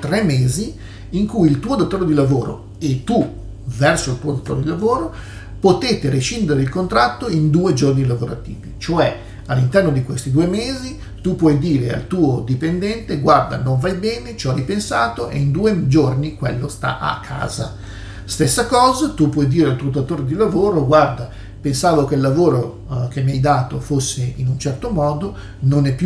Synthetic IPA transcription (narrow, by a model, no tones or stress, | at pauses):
t̪rɛmːeːziː | ŋkujilt̪uːod̪ot̪ːoːɾed̪ilavoːɾo̰ | et̪ːu | vɛrsoilt̪uod̪ot̪ːo̰ːɾed̪ilavoːɾo | pot̪eːt̪eɾeʃind̪eɾeilkont̪ɾat̪ːoind̪uːed͡ʒornilavoɾa̰t̪ḭːvit͡ʃoɛ | alːint̪ɛrnod̪ikwest̪id̪uːemeːzi | t̪upwɔjd̪iːɾea̰lt̪uːod̪ipend̪ɛnt̪eɡward̪a̰noɱvajbɛːnet͡ʃoajpensaːt̪oʔḛind̪uːed͡ʒornikwḛlːost̪a̰ʔa̰kʰːa̰ːza | st̪esːakɔːzat̪upːwɔjd̪iːɾealt̪ut̪at̪oːɾed̪ilavoːɾoɡward̪a | pensaːvokelːavoːɾo | kemːiajd̪aːt̪ofosːeinunt͡ʃɛrt̪omɔːd̪o | nonɛpːju